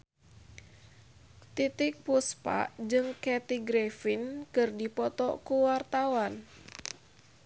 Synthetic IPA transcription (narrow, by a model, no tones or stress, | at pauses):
t̪it̪ɪk̚puspa̰ʔd͡ʒɨŋkɛt̪iɡɾɛfinkɨrdipɔt̪ɔkuwart̪awan